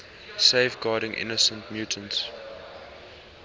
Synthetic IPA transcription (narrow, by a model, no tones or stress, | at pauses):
seɪfɡɑːɾɪ̃ŋʔɪ̰nəsə̃ntmjuːtʰə̃nt